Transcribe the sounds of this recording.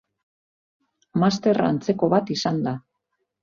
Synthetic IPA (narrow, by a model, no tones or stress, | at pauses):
mast̪e̞ra̰nt͡se̞ko̞βat̪isand̪a